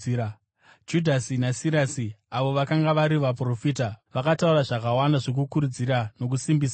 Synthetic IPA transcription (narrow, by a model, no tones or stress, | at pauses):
d͡ʒudʱasinasiɾasiaʋo̞ʋakaŋɡaʋaɾiʋap̬ro̞fiːtaʋakatauɾaʐakawandaʐok̬ukuɾud͡ziɾano̞k̬usimbiːsa